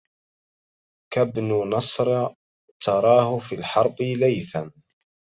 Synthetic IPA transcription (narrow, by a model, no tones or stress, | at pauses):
kabnʊnɑsˤɾˤ | t̪ɑɾˤɑːhʊfiːlħɑɾˤbɪlajθan